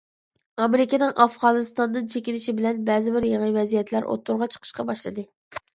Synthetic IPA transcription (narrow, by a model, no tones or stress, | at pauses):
ɑmeɾɪkʲɛnɨŋʔɑfʁɑnɨst̪ɑnd̪ɨnt͡ʃʰekʲinɪʃibɪlɛnbɛzɪbɪɾjeŋəvɛzijɛt̪ʰlæɾʔo̰t̪ʰːuɾʁɑt͡ʃʰə̥qʰə̥ʃqɑbɑʃlˠɨd̪ɨ